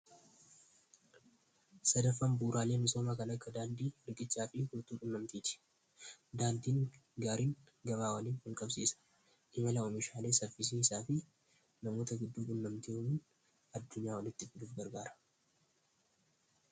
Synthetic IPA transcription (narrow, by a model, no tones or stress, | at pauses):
sɐd̪ɐfːɐmbuːɾʔaːle̞ːmɪsoːmaːkɐnɐkːɐd̪aːnd̪iːɾɡɪt͡ʃːaːfɪɡʊɾt̪uːᶑʊnːɐmt̪iːt̪ɪ̥ | d̪aːnd̪iːŋɡaːɾiːŋ | ɡɐmaːwɐliːnhɪlkʼɐbsiːsɐ̥ | ʔɪmɐlɐʔɔmɪʃaːle̞ːsɐfɪs̬iːɪsaːfɪ | nɐmo̞ːt̪ɐɡɪd̪ːuːᶑʊnːɐmt̪iʊiːn | ɐd̪ːʊɲːaːwɐlɪt̪ːɪfɪd̪uːfɡɐɾɡaːɾɐ̥